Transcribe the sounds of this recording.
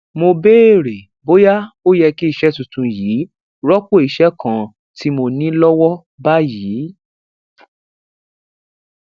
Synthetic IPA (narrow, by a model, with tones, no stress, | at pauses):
mo˧be˦e˦˨ɾe˨ | bo˦ja˦o˦jɛ˧ki˦i˦˨ʃɛ˦tũ˨tũ˨˧jiː˨˦ | ɾɔ˦ko˦˨i˨ʃɛ˦kã˨ | ti˦mo˧nĩ˦lɔ˦wɔ˦ | ba˦jiː˨˦